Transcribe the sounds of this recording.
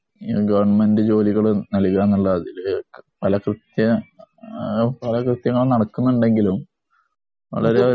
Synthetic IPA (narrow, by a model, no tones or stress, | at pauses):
iɡɐʋɐrɳɐmendɨd͡ʑo̞ːliɣɐɭɨnɐliɣɾaːnːuɭːɐɐðilpɐlɐkrɨt̪jɐ | pɐlɐkrɨt̪jɐŋːɐɭnɐɽɐkːunːɐuɳɖe̞ŋɡilum | ʋɐ̰ɭɐɾeo